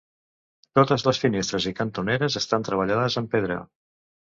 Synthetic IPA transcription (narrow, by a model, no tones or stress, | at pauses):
t̪ot̪əzləsfinest̪ɾəzikənt̪uneɾəzəst̪ant̪ɾəβ̞əʎaðəzəmpeðɾə̰